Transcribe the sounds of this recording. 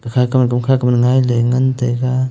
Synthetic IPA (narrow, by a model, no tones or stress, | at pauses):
kakʰakamkamkʰakamnŋajləjŋənt̪eka